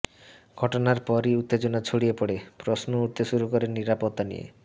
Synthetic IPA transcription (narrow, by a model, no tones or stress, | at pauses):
ɡʱɔʈonaɾpɔɾiut̪ːed͡ʑonat͡ɕʰoɽiepoɽepɾosnouʈt̪eʃuɾukoɾenːiɾapot̪ːanḭjḛ